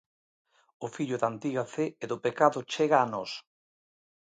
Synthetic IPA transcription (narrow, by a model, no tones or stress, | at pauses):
ʊfiʎʊðant̪iɣafeeðʊpekaðʊt͡ʃeɣaːnɔs